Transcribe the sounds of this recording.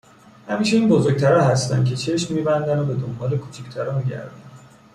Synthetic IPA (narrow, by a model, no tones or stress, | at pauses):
hæmiːʃe̞iːnbo̞zo̞ɾɡ̚t̪ʰæɾɒːɦæst̪æ̰nd̪̚c̬ʲʰe̞t͡ʃʰe̞ʃmːiːbænd̪ænobe̞d̪ombɒːle̞kʰu̥t͡ʃʰicʰt̪ʰæɾɒːmiɟæ̰ɾd̪æn